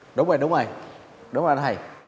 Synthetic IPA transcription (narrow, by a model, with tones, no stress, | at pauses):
ɗʊ˨˦wŋ͡mzə˨˩jɗʊ˨˦ŋ͡mə˧˩j | ɗʊ˨˦ŋ͡ma˨˩˨na˧˩j